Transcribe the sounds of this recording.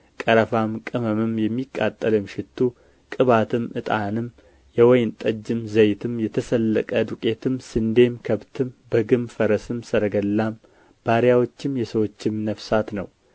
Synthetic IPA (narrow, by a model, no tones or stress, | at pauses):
kʼəɾəfamkʼɨməmɨmjɛmːikʼːat̪ʼːəlɨmʃɪt̪ʰːu | kʼɨβat̪ʰɨmʔɨt̪ʼanɨm | jɛwɔjnt̪ʼəd͡ʒːɨmzəjt̪ʰɨmjɛt̪ʰəsəlːəkʼəd̪ukʼe̞t̪ʰɨmsɨnd̪e̞mkʰəβt̪ʰɨmbəɡɨmfəɾəsɨmsəɾəɡəlːam | b̥aɾjawo̞t͡ʃːɨmjɛsəwot͡ʃːɪmnəfsat̪nəw